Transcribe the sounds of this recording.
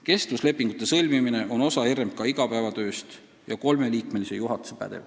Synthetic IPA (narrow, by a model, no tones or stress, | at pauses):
ke̞st̪vusle̞pːˑiŋɡ̥ut̪ːˑe̞sɤlʲmimine̞ʔo̞no̞sɑhirmp̚kɑiɡ̥ɑpæevɑt̪ø̞ːst̪ | jɑko̞lme̞liːkme̞lise̞juɦɑt̪ˑu̥sepæ̰d̪̥ḛv